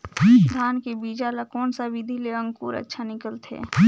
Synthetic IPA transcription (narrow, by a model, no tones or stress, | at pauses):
d̪ʱaːnkebiːd͡ʒalakɔːnsaʋɪd̪ʱileə̃ŋɡkuːɾə̰tːʃʰanɪkəlt̪ʰḛː